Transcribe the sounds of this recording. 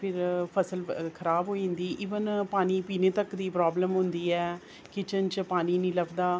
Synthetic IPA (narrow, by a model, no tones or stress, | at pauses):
pʰɪɾpʰəsəlkʰəɾaːbɦoːĩnd̪iːʔɪʋənpaːniːpiːneːt̪əkd̪iːpɾaːbləmɦʊnd̪iːɛː | kɪt͡ʃənt͡ʃpaːniːnĩːləbd̪aː